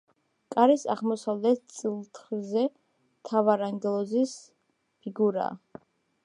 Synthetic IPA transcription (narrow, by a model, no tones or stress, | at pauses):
kʼaɾɛsa̰ʁmɔsavlɛt̪̚t̪sʼilˠt̪ʰχizɛ | t̪ʰavaɾaŋɡɛlˠɔzis | pʰiɡuɾa̰ː